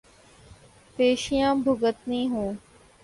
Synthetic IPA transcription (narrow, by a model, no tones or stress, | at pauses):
peːʃijãːbʱʊɡət̪nĩːɦũː